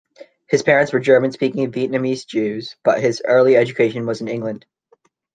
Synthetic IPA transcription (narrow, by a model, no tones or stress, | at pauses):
hɨz̥pʰɛɹɨ̃ntswə˞d͡ʒɜ˞mɨ̃nspikɪ̃ŋʌviʔⁿnɨmizd͡ʒʉzb̥ʌ̰ʔ̚ɦɪzɜ˞lˠiɛd͡ʒɨkʰeɪʃɨ̃nwʌz̃nɪ̃ŋɡlɨ̃nd̥